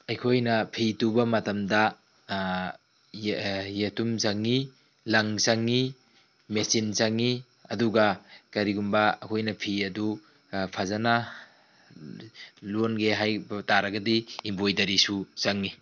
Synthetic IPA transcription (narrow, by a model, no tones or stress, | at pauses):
ɐjkʰojnɐpʰitubɐmɐtɐmdɐ | jetumzaŋːi | laŋsaŋːi | mesinzaŋːi | ɐduɡakaɾiɡumbaɐ̰kʰojnɐpʰiɐdu | pʰazana | lonɡeɦajbtaɾɐɡɐdiimbojtɐɾisusaŋːi